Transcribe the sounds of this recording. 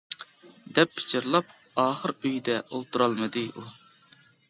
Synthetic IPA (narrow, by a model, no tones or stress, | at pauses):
d̪ɛpːʰɪ̥t͡ʃʰɪɾlˠɑp̚ | ɑːχəɾøjd̪ɛʔolˠt̪ʰuɾɑlˠmɨd̪ɨu